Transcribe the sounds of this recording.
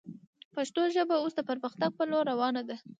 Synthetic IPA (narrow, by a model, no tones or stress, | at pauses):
paʃt̪oʒəbausd̪əpəɾməxt̪aɡ̚pəloɾːawɑnad̪a